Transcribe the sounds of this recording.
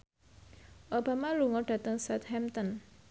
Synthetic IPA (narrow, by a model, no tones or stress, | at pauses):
ʔobamaluŋɔɖ̥a̤t̪əŋsɛt̪hɛmt̪ɔn